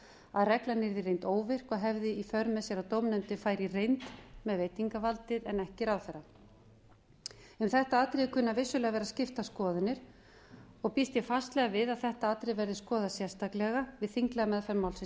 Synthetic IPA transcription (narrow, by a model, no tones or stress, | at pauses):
aðrɛklanɪɾðɪrejnt̪oːwvɪr̥kɔɦɛvðɪifœɾmɛsjɛɾawt̪owmnʏmt̪ɪfaːjɾirejnt̪mɛðvejt̪iŋkavalt̪ɪðɛnɛhcɪɾawθɛrːa | ʏmθɛht̪aaːt̪ɾɪkʰʏnːavɪsːʏlɛɣavɛːɾascɪft̪askɔːðɪnːɪɾ̥ | ɔɣpist̪jɛfast̪lɛɣavɪðaðθɛht̪aaːt̪ɾɪvɛɾðɪskɔːðasjɛ̥st̪aklɛɣavɪðθiŋklɛɣamɛðfɛɾmawlsɪ